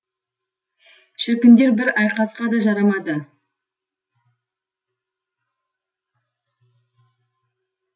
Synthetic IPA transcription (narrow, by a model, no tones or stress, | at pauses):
ʃɪɾkʲɪnd̪e̞ɾbɪɾɑjqɑsqɑd̪ɑʒɑɾɑmɑd̪ə